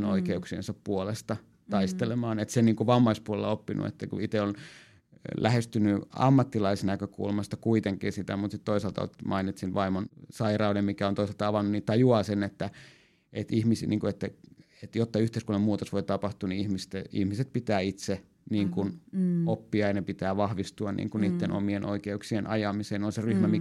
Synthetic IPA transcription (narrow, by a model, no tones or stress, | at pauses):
no̰ikeuksiḛnsɑppuolest̪ɑ | t̪ɑist̪elemɑːnet̪senniːŋkuʋɑmːɑispuolelːɑopːinṵḛt̪ːækṵit̪eon | lʔæhest̪ynyɑ̰mːɑt̪ːilɑisnækøkṵlmɑst̪ɑkuit̪eŋkḭːsit̪æ̰mut̪sit̪t̪oisɑlt̪ɑ̰o̰t̪mʔɑinit̪sinʋɑimonsɑirɑudemmikæont̪oiselt̪ɑɑʋɑnːunnit̪ɑjuɑːsenet̪ːæ | ʔḛt̪ihmisnʔḭːŋkuet̪ːæ | et̪jot̪ːɑyht̪eˑiskulnːɑmuːt̪osʋoit̪ɑpɑht̪uniihmist̪eḭhmiset̪̚pit̪æːit̪se | niːŋkunopːiɑjɑnepit̪æːʋɑhʋist̪uɑnnḭːŋkunniːt̪ːenʔo̰mienʔo̰ikeuksienʔɑjɑmiseːnonseryhmæmi